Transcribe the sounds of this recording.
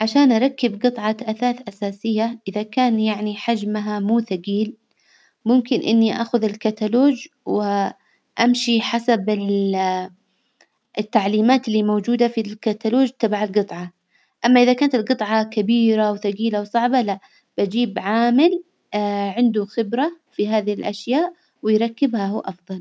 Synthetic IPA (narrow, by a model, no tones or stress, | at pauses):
ʕaʃaːnʔɑɾˤɑkːɪbɡɨt̪ˤʕɑʔaθaːθʔasaːsɪjːaʔɪðakaːnjaʕniħad͡ʒmaɦamuːθaɡiːl | mʊmkɪnʔɪ̰nːiʔa̰ːxʊðɪlkat̪aloːd͡ʒ | wɪ | ʔamʃiħasabɪ | ɪt̪ːaʕliːmaːt̪ɪlːiːmowd͡ʒuːd̪afilkat̪aloːd͡ʒt̪abaʕalɡɨt̪ˤʕɑ | ʔamːaʔɪðakaːnat̪ɪlɡɨt̪ˤʕɑkabiːɾawθaɡiːlawsˤɑʕbalaʔ | b̥ad͡ʒiːbʕaːmɪl | ʕɪnd̪uxɪbɾafiɦaːðihɪlʔaʃjaːʔ | wɪjɾˤɑkːɪbhahuːʔɑfðˤɑl